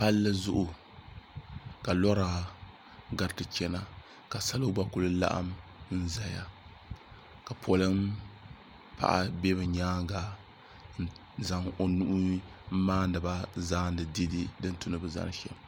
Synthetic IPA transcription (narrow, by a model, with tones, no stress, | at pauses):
pa˦lːɨ˦zʊ˦ʔʊ˨ | ka˨lɔ˦ɾaː˨ | ɡa˨˦tɨ˨t͡ʃɛ˦na˦ | ka˨sa˦lo˦ba˦ku˦lɨ˦la̰˦ʔa̰˦mn̩˦za˦ja̰˦ | ka˨pʰɔ˨lɨ˦m | pa̰˦ʔa̰˦be˦bɨ˨ɲaː˦ŋ˦ɡa˨ | n̩˦ | za˨ŋo˨nu˦ʔʊ˦m̩˦maː˦n˦dɨ˨ba˦zaː˦n˦dɨ˨di˦di˦dɨ˦n˦tu˦nɨ˦bɨ˨za̰˦ŋ˦ʃɛ̰˨m˨